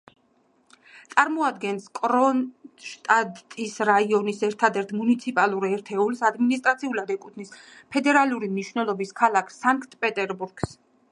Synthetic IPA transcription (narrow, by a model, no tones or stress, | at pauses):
t̪sʼaɾmɔad̪ɡɛnskʼɾɔnʃt̪ʼatt̪ʼisɾaiɔnisɛɾt̪ʰad̪ɛɾt̪ʰmunit̪sʰipʼalˠuɾɛɾt̪ʰɛulsad̪minist̪ʼɾat̪sʰiulad̪ɛkʼut̪ʰnis | pʰɛd̪ɛɾalˠuɾimniʃwvnɛlˠɔbiskʰalˠakʰsaŋkʼt̪ʼpʼɛt̪ʼɛɾbuɾɡ̥s